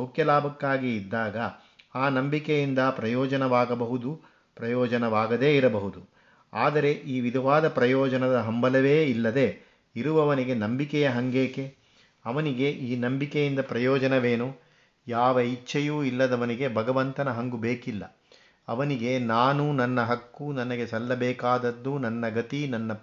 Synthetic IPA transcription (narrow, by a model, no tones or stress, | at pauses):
ɐwkjɐlaːbɐkːaːɡiːd̪ːaːɡɐ | aːnɐmbikejind̪ɐpɾɐjɔːd͡ʒɐnɐʋaːɡɐbɐɦud̪u | pɾɐjɔːd͡ʒɐnɐʋaːɡɐd̪e̞ːiɾɐbɐɦud̪u | aːd̪ɐɾe̞ʔiːʋid̪ʱɐʋaːd̪ɐpɾɐjɔːd͡ʒɐnɐd̪ɐɦɐmbɐlɐʋeːilːɐd̪e̞ | iɾuʋɐʋɐniɡe̞nɐmbikɛjɐɦɐŋɡeːke̞ | ɐʋɐniɡe̞ʔiːnɐmbikɛjind̪ɐpɾɐjɔːd͡ʒɐnɐʋeːnu | jaːʋɐit͡ʃːʃɐjuːilːɐd̪ɐʋɐniɡebʱɐɡɐʋɐnt̪ɐnɐɦɐŋɡubeːkilːɐ̰ | ɐʋɐniɡe̞naːnunɐnːɐɦɐkːunɐnɐɡe̞sɐlːɐbɛːkaːd̪ɐd̪ːunɐnːɐɡɐt̪inɐnːɐ